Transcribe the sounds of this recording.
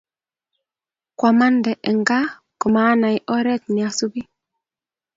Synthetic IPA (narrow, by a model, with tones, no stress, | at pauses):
kwa˨ma˦ndɛ˨ʔɛ˨ŋɡa˦ | kɔ˨ma˨˦na˨ɪ˦ʔɔ˦ɾɛ˦t̚nɪ˨a˨su˦bi˦